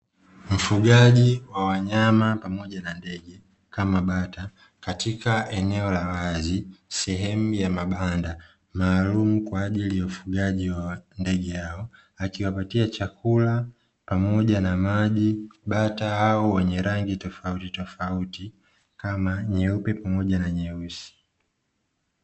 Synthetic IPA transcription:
m̩fuɠaʄiwawaɲamapamɔʄanandɛɡɛ | kamaɓata | katikaʔɛnɛɔlawazisɛɦɛmujamaɓanda | maːlumukwaːʄilijaufuɡaʄiwandɛɠɛjaɔ | akiwapatiat͡ʃakula | pamɔʄanamaʄiɓataaɔwɛɲɛɾaŋɡitɔfautitɔfauti | kamaɲɛupɛpamɔʄanaɲɛusi̥

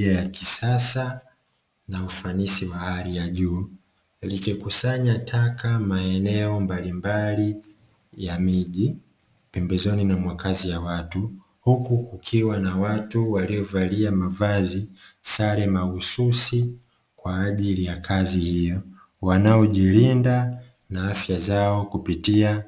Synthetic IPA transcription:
ajakisasa | naufanisiwahaɾijaʄuː | likikusaɲatʰakamaɛnɛɔmbalimbali | jamiʄi | pɛmbɛzɔninamwakazijawatu | hukukukʰiwanawatuwaliɔvaliamavazisaɾɛmaususi | kwaːʄilijakʰazihijɔ | wanaɔʄiɾinda | naafjazaɔkupitia

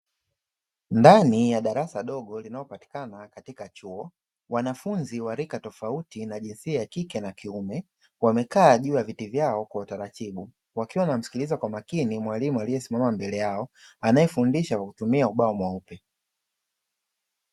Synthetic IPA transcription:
ndanijaɗaɾasaɗɔɠɔlinalɔpati̥kanakatikat͡ʃuɔ | wanafunziwaɾikatɔfautinaʄinsiajakikɛnakiumɛ | wamɛkaːʄuːjavitivjaɔkwautaɾatiɓu | wakiwanam̩si̥kilizakwamakinimwalimualijɛsimamambɛlɛjaɔanajɛfundiʃakwakutumiauɓaɔmwaupɛ

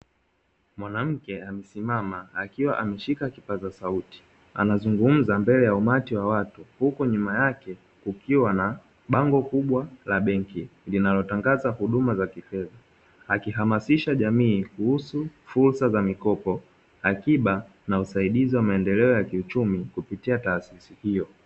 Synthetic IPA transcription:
mwanam̩kɛamɛsimamaakiwaʔamɛʃikakipazasauti̥ | a̰nazuŋɡum̩zambɛlɛjaumatiwawatuhukuɲumajakɛ | kukiwana | ɓaŋɡɔkuɓwalaɓɛŋkilinalɔtaŋɡazahuɗumazakifɛða | akiɦamasiʃaʄamiːkuhusufuɾsazamikɔpɔ | akiɓa | nausaiɗiziwamaɛndɛlɛɔjakiut͡ʃumikupitiataːsisihijɔ

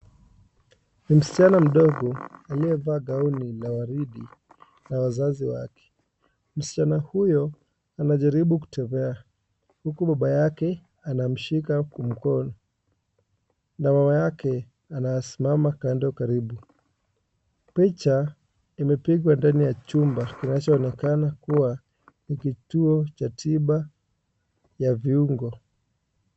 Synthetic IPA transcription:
nim̩si̥t͡ʃanam̩ɗɔɡɔaliɛvaːɠaunilawaɾiɗi | nawazaziwakɛ̥ | m̩si̥t͡ʃanahujɔ | anaʄaɾiɓuku̥tʰɛβɛa | hukuɓaɓajakɛ | anam̩ʃikakum̩kɔnɔ | namamajakɛ | anajasimamakandɔkaɾiɓu | pit͡ʃa | imɛpiɠwandanijat͡ʃumbakinat͡ʃɔːnɛkanakuwa | nikituɔt͡ʃatʰiɓa | javiuŋɡɔ

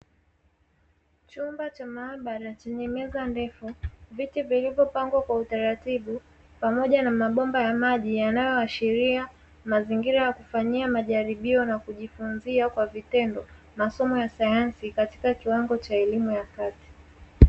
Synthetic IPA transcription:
t͡ʃumbat͡ʃamaːɓaɾat͡ʃɛɲɛmɛzandɛfuvitivilivjɔpaŋɡwakwautaɾatiɓu | pamɔʄanamaɓɔmbajamaʄijanajɔaʃiɾia | maziŋɡiɾajakufaɲiamaʄaɾiɓiɔnakuʄifunziakwavitɛndɔ | masɔmɔjasajansikati̥kakiwaŋɡɔt͡ʃaɛlimujakati̥

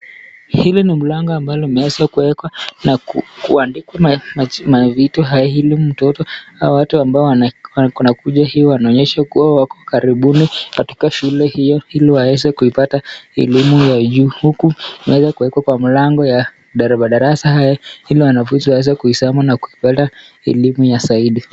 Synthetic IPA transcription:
hilinim̩laŋɡɔambalɔmɛɛzakuwɛkwanakukṵandikwamamamavitɔɦajahilimum̩tɔtɔhawawatuambaɔwanwanakuʄahiɔwanaɔɲɛʃakuwawakɔkaɾiɓunikati̥kaʃulɛhijɔhiliwawɛzɛkuipataɛ̰limujaʄuːhukumɛwɛzakuwɛkwakwamilaŋɡɔja | ɗaɾɓaɗaɾasaɦajɔhiliwanavutiwaɛzɛkuhishamanakuipata | ɛ̰limujasaiɗi

